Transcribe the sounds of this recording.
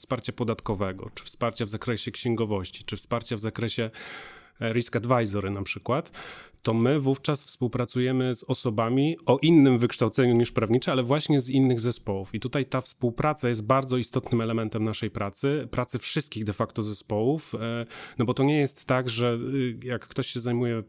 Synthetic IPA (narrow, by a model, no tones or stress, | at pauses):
fspaɾt͡ɕapɔd̪at̪kɔvɛɡɔ̰t͡ʂɘ̥fspaɾt͡ɕavzakɾɛɕɛkɕɛŋɡɔvɔɕt͡ɕi̥t͡ʂɘfspaɾt͡ɕavzakɾɛɕɛ | ɾiskad̪vajzɔɾɘnapʂɘkwat̪ː | ɔmɘvuft͡ʂasfspuwpɾat̪sujɛmɘzɔsɔbamʲiɔʔinːɘmvɘkʂt̪awt̪sɛɲuɲiʂpɾavɲit͡ʂɛalɛvwaɕɲɛzinːɘɣzɛspɔwufit̪ut̪ajt̪afspuwpɾat̪sajɛst̪̚baɾd̪zɔist̪ɔt̪nɘmɛlɛmɛnt̪ɛmnaʂɛjpɾat̪sɘpɾʔat̪sɘfʂɘst̪kʲiɣd̪ɛfakt̪ɔzɛspɔwufnɔbɔt̪ɔɲɛjɛst̪ːaɡʐɛjakːt̪ɔɕɕɛzajmujɛ